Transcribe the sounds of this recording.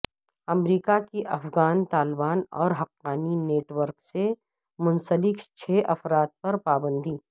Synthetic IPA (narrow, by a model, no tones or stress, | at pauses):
ɐmɾiːkakiʔɐfɡaːnt̪aːlbaːnɔ̰ːɾɦɐqːaːnineːʈwəɾkse | mʊ̃nsəlɪkt͡ʃʰeːʔɐfɾaːt̪̚pɐɾpaːbə̃nd̪ʱiː